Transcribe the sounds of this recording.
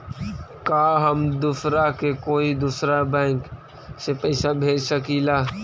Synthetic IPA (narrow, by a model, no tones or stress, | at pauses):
kaːɦəmd̪usɾakekoːid̪uːsɾabɛ̃ːŋk | sepɛːsabʱeːd͡ʒsəkilaː